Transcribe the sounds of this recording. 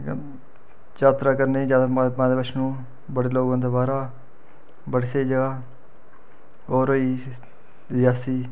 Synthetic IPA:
d͡ʒaːt̪ɾaːkəɾneːd͡ʒaːd̪mãːd̪eːpəʃnũː | bəɽeːloːɡãːd̪oːbaːɾaː | bəɽseːd͡ʒəɡaː | oːɾoːiː | jaːsiː

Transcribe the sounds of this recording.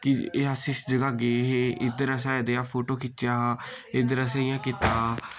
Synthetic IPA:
kɪeasɪsd͡ʒəɡaːɡeːɦeʔɪd̪əɾəs̬aːd̪eãːpʰoːʈoːkɪt͡ʃːjaːɪd̪əɾəs̬aːɪjãːkɪt̪aː

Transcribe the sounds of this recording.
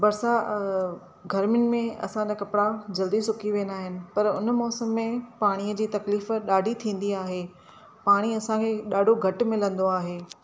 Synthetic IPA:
bɐɾsa | ɡʱɐɾmɪnɪ̆mẽɐ̰sãakɐpɽad͡ʑɐld̪isʊkʰiʋẽːnaːɦɪnɪ̆pɐɾʊnmɔːsəmːẽpaːɽ̃iəd͡ʑiːt̪ɐkliːfɗaːɖʱit̪ʰĩːn̆d̪iaːɦeː | paːɽ̃iɐsãkʰeːɗaːɖʱoɡʱɐʈmɪ̃lə̃nd̪oaːɦeː

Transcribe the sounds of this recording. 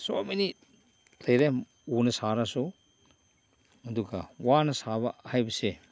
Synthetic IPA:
sominit̚ | lɐjɾem | unɐsaɾasu | ɐduɡɐwanɐsabɐhajbɐse

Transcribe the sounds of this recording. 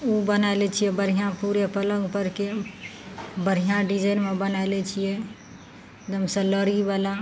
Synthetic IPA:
ubənalɛt͡ʃʰijɛbəɾ̤ʱijãpuɾepələ̃ŋɡpəɾke | bəɾ̤ʱijãɖid͡ʒajnmebənalɛt͡ʃʰijɛ | d̪əmsə̃ləɾibala

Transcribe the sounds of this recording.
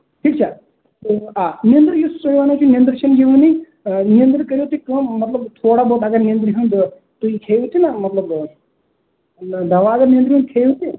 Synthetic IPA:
ʈʰiːk̚t͡ʃʰa | t̪oaːnijə̃nd̪ɾjussɐiʋaːnat͡ʃʰunijənd̪ɾʃɐnd͡ʒiʋɐni | nijə̃nd̪ɾkəɾjot̪ikəmːɐt̪lɐbt̪ʰoːɽaboːt̪ɐɡɐɾnijənd̪ɾɦũnd̪ | t̪ukʰejut̪inɐmɐt̪ləb | d̪ʱɐʋaːɡaniə̃nt̪ɾiɦund̪̚kʰejut̪i

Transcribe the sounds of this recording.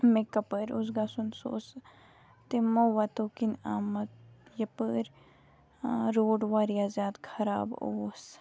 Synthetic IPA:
mekɐpəɾus̬ɡasunso̰ːs | t̪emoʋat̪okinaːmɐt̪jɐpəɾ | ɾoːɖʋaːɾijazjaːd̪kʰɐɾaːbo̰ːs

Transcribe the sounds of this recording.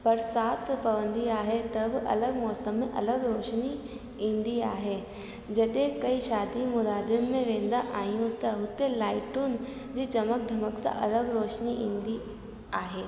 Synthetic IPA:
pɐɾsaːt̪ʰpɐʋə̃nd̪iaːɦet̪ɐbʔɐ̰ləɡmɔːsəmːẽʔɐləɡɾoːʃni | ɦĩːnd̪iaːɦe | d͡ʑɐɗẽkɐiʃaːd̪imʊɾaːd̪jʊnmẽʋẽːn̆d̪aʔaːɦijũt̪ɐɦʊt̪elaːɪʈʊn | d͡ʑiːt͡ɕɐmək̚d̪ʱɐməksã̰ʔɐ̰ləɡɾoːʃniɦĩːnd̪i | aːɦeː

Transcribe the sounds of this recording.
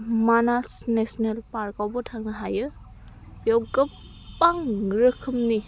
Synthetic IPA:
manasnesnelpaɾkawbɔtʰaŋnɐɦajɯ | pjawɡɯ | pːaŋɾɯkʰɯmni

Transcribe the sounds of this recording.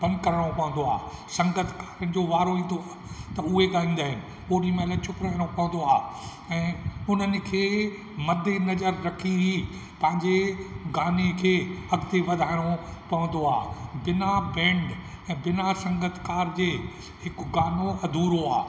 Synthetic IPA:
b̥ɐ̃nkɐɾəɽ̃õpɐʋə̃n̆d̪oa̰ːsɐ̃ŋɡət̪ʰkaːɾənɪ̆d͡ʑoʋaːɾoĩːn̆d̪oaːt̪ɐʊɦeɡaːlĩːn̆d̪aːɦɪnɪ̆ | poːɾimẽɐlat͡ɕʰʊkɾaːɪɽ̃õpɐʋə̃n̆d̪oaː | ɛ̃ːʊn̤ənɪ̆kʰeː | mɐd̪ʱːenɐzəɾːɐkʰiɦi | pɐ̃ɦɪ̃ɲd͡ʑeɡaːnekʰeːɐɡd̪eʋɐd̪ʱaːɪɽ̃opɐʋə̃n̆d̪oaːbɪnabɛ̃ːɳɖɛ̃ːbɪnasɐ̃ŋɡət̪ʰkaːɾd͡ʑeː | ɦɪkʊɡaːnoɐd̪ʱuːɾoa̰ː

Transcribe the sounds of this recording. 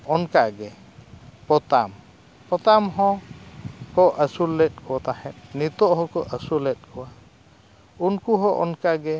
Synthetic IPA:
ɔnkaʔɡɛ | pɔt̪am | pɔt̪amɦɔ̃ | kɔʔəsulːɛt̪̚ˀkʰɔat̪ahɛt̪̚ˀnit̪ɔʔɦɔ̃kɔʔəsulɛt̪̚ˀkʰɔwa | unkuɦɔ̃ʔɔnkaʔɡɛ

